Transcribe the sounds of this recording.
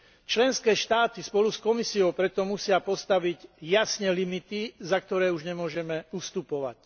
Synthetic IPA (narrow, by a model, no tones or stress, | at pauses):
t͡ʃlɛnskɛːʃt̪aːt̪ispɔluskɔmisiɔʊpɾɛt̪ɔmusɪapɔst̪aʋiɟjasɲɛlimit̪izak̚t̪ɔɾɛːuʒɲɛmʊɔʒɛmɛust̪upɔʋa̰c